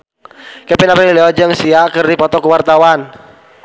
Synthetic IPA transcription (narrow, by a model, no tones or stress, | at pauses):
kepinapɛiliɔd͡ʒəŋsiakərdipɔt̪ɔkəwart̪awan